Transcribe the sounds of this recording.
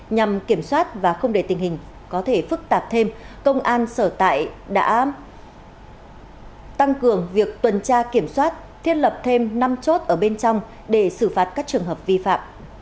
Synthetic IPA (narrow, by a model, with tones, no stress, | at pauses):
ɲa˨˩mki˧˩əmswaː˦˥t̚vaː˨˩xə˧wŋ͡mɗe˧˩t̪ï˨˩ŋ̟hï˨˩ŋ̟ | kɔ˨˦t̪ʰe˧˩fɨ˦˥k̚t̪aː˨˩p̚t̪ʰe˧mkə˧wŋ͡mʔaː˧nsəː˧˩t̪a̰ː˧˨jɗa̰ː˧˥ | t̪a˧ŋkɨ˨˩əŋvi˨˩ək̚t̪wə˨˩nt͡ɕaː˧ki˧˩əmswaː˦˥t̚ | t̪ʰi˦˥ət̚lə˨˩p̚t̪ʰe˧mna˧mt͡ɕo˦˥t̚ʔəː˧˩ɓe˧nt͡ɕɔ˧wŋ͡m | ɗe˧˩sɨ˧˩faː˨˩t̚kaː˦˥k̚t͡ɕɨ˨˩əŋɦəː˨˩p̚vi˧fa̰ː˧˨m